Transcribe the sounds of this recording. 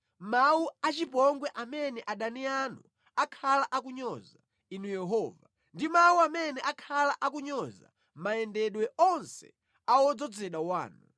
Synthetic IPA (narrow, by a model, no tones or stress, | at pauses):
mauat͡ʃipɔŋɡwɛʔamɛnɛʔaɗanianu | akʰalaʔak̬uɲɔza | inujɛɦɔːva | ndimauamɛnɛʔakʰalaʔakuɲɔza̰ | maɛndɛɗwɛʔɔnsɛ̰ | awɔd͡zɔd͡zɛɗawa̰ːnu